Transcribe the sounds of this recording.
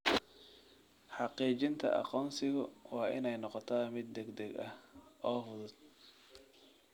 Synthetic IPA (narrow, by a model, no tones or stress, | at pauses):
ħɑqiːt͡ʃɪnt̪ʰɐ̰ʔɑ̰qɔːnsɪɣʊwɑːʔɪ̰nɛjnɔqɔt̪ʰɐːmɪd̪̚ːɛɡd̪ɛɡɐʔɔːfʊðʊd̪̥̚